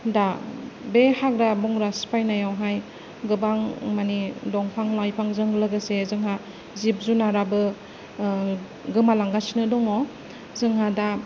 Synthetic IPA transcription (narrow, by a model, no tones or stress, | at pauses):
dabehaɡɾabɔŋɾaspajnajawɦaj | ɡɯbaŋmanidɔŋpʰaŋlajpʰaŋzɯŋlɯɡɯsezɯŋɦa | zip̚zunaɾabɯ | ɡɯmalaŋɡasinɯdɔŋɔ | zɯŋɦada